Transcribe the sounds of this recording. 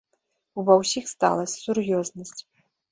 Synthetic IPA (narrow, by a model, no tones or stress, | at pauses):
ubɐwsʲixst̪a̰lˠɐsʲsurjɔznɐsʲt͡sʲ